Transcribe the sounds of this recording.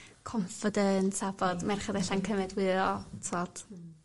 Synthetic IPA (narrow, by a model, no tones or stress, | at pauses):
kʰɔɱfɔdəntabɔdmɛrχadɛɬankʰəmɛdwɪðɔtʰod̥